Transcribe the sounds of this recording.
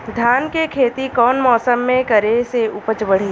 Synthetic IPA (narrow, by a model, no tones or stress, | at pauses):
d̪ʱjaːnkekʰeːt̪ikɔːnmɔːsəmːẽkɐɾeseʊpət͡ʃbəɽ̤iː